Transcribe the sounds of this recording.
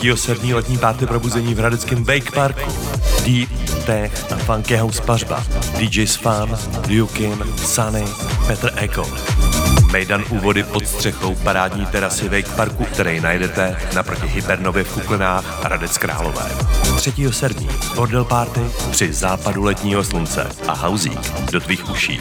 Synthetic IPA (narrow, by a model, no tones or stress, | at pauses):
iːɦosɛdmɲiːlɛt̪ɲiːpaːɾt̪ɪpɾo̞buzɛɲiːvɦɾadɛt͡skɪmvɛjkpaɾku | diːp̚t̪ɛxafaŋkɛɦowsparba̰dɪd͡ʒɛjsfandɪjukɪnsanɪpɛt̪r̩ʔɛko̰t̪mɛjdanʔuːvo̞dɪpo̞t̪st̪r̝̥ɛxo̞wpaɾaːdɲiːt̪ɛɾasɪvɛjkpaɾkuk̚t̪ɛɾɛjnajdɛt̪ɛnapɾo̞cɪɦɪbɛɾno̞vjɛfkuklɪnaːxɾadɛt͡skɾa̰ːlo̞̰vɛ̰ːt̪r̝̥ɛciːɦo̞sɛdmɲḭːbo̞ɾdɛlpaːɾt̪ɪpr̝̥ɪzaːpadulɛt̪ɲiːɦo̞slunt͡sɛ̰ʔa̰ɦawzḭːkdo̞t̪viːxuʃḭː